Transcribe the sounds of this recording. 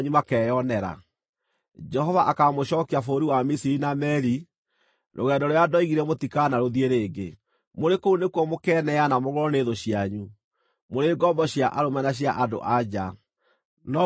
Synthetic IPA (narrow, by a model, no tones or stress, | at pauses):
ɲumakɛːjɔnɛɾa̰ | d͡ʒɛhɔvaʔakamoɕɔːkiafoːɾiwamisiɾinamɛɾi | ɾʔo̰ɣɛdɔɾoadɔiɣiɾɛmotikanaɾoðieɾeːɡḛ | moɾekounekwɔmokɛnɛanamoɣɾɔneðoɕiaɲu | moɾeːɡɔmbɔɕjaʔaɾomanaɕ̬jaʔado̰ʔad͡ʑa | nɔ